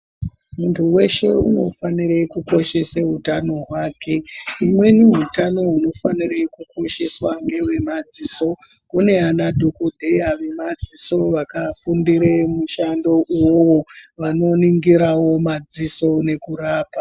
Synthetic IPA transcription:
muntʰuwe̞ʃe̞̰uno̞fanirekuko̞ʃe̞seɦutanoɦwaːkʰe̞imwe̞niɦutano̞ɦuno̞fanirekukʰo̞ʃe̞swaŋɡe̞we̞mad͡ziːso̞ | une̞anadʱokodʱejaʋe̞mad͡ziso̞ʋakafundiɾemuʃando̞ʔuwowo̞ʋano̞niŋɡiɾawo̞mad͡ziso̞ne̞kuraːpa

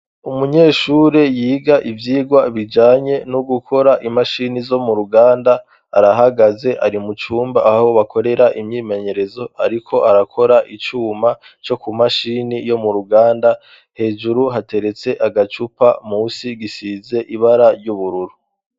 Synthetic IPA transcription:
umuɲeːʃuːɾe̞jiːɡaʔivjiːɡwaβid͡ʒaːɲe̞nuɡukʰo̞ɾaʔimaʃinizo̞muɾuɡaːndaː | ɾaɦaɡaze̞ʔaɾimut͡ʃuːmbaʔːhoβako̞ɾe̞ɾaʔimɲiːme̞ɲe̞ɾe̞zo̞aɾikʰo̞ʔaɾakʰo̞ɾaʔit͡ʃuːma | t͡ʃo̞kumaʃiːnijo̞muɾuɡaːnda | he̞ːd͡ʒuɾuɦate̞ɾe̞t͡se̞ʔaɡat͡ʃupamuːsiɡisize̞ʔiβaɾaɾjuβuɾuɾu

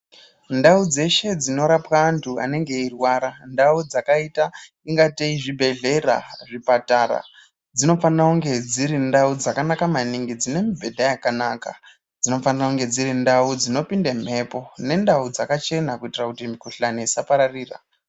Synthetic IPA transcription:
ndaud͡ze̞ʃe̞d͡zino̞ɾapwaːntʰua̰ne̞ŋɡe̞irwaːɾandaud͡zakaita | iŋɡateiʐibʱe̞ɮe̞ra̰ʐipataːɾa̰ | d͡zino̞fanrauŋɡe̞d͡ziɾindaud͡zakanakamaniŋɡid͡zine̞mibʱe̞dʱajakanaːka̰ | d͡zino̞fanirauŋɡe̞d͡ziɾindaud͡zino̞pindem̤e̞po̞ne̞ndaud͡zakat͡ʃe̞nakuitirakutimikuɬaneisapaɾariːra̰

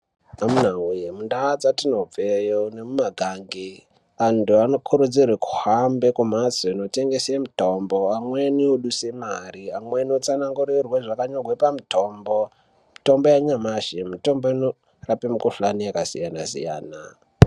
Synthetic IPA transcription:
amunawujemundaːd͡zatino̞b͡vejoune̞mumaɡʱaːŋɡi | antuano̞kʰuɾud͡zirweku̥hambe̞kumasoino̞te̞ŋɡe̞semito̞mbo̞amwenioɗusemariamweniot͡sanaŋɡuɾirweʐakaɲorwepamito̞ːmbo̞ | mito̞mbo̞jaɲamaʃemito̞mboino | rapemukuɬanijakasḭjanasḭja̰ːna̰

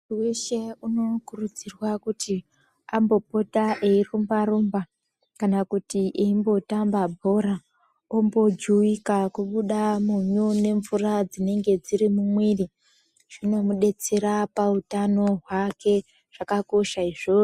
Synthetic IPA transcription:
weʃe̞uno̞kurud͡zirwakutʰi | ambo̞po̞taʔeirumbaɾumba | kanakutiʔeimbo̞tambabʱo̞ɾa | ombo̞d͡ʒuikakuɓuɗamuɲone̞ɱvurad͡zine̞ŋɡe̞d͡ziɾimumweːri | ʐ̥ino̞muɗe̞t͡se̞ɾapautano̞ɦwake̞ | ʐ̥akako̞ʃaiʐo

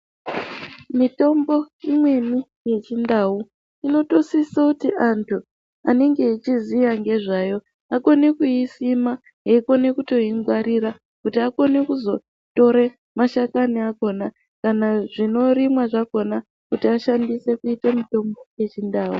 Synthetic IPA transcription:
mito̞mbo̞imwe̞ni | je̞t͡ʃindau | ino̞to̞sisakutiʔantʰu | ane̞ŋɡe̞it͡ʃizijaŋɡe̞ʐajo̞ | ako̞ne̞kuisima | ɦeiko̞ne̞kuto̞iŋɡwaɾiɾa | kutiako̞ne̞kuzo̞ | to̞ɾe | maʃakaniako̞na | kanaʐino̞rimwaʐako̞na | kutiaʃandise̞kuitamito̞mbo̞je̞t͡ʃindaːwu

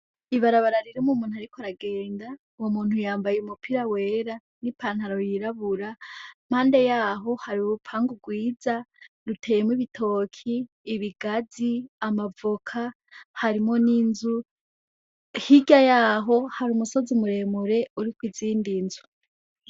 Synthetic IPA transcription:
iβaɾaβaɾaɾiɾimumuːn̥uaɾikoɾaɡe̞ːnda | womuːn̥hujaːmbajeumupʰiɾawe̞ɾa | nipʰaːnhaɾo̞jiɾaβuɾam̥haːnde̞jaːɦo̞haɾiuɾupʰaːŋɡuɡwiːza | ɾutʰe̞ːjemwiβitʰo̞kʰiː | βiɡad͡ziamavokʰa | haɾimo̞ninzu | hiɡajaːɦo̞haɾumuso̞zimuɾe̞ːmuɾe̞uɾikwiziːndinzu

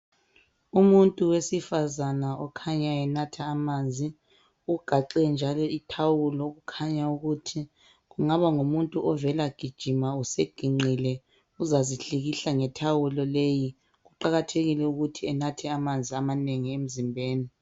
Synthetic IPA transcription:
umuntʼuwesifazanaʔɔkʰaɲaɛnatʰaːmaːnd͡zʱi | uɡ̥ʱaǃɛnd͡ʒʱalɔitʰawulɔɣukʰaɲauɣutʰi | ɣuŋaβaŋumuntʼuʔɔvɛlaɡ̥ʱid̥ʒ̥ʱimauseɡ̥ʱiŋ͡ǀilɛ | uzaziɬiɣiɬaŋɛtʰawulɔleji | ɣuǃaɣatʰeɣilɛuɣutʰiɛnatʰɛamand͡zʱiamaneŋiem̩zimbʱeːni

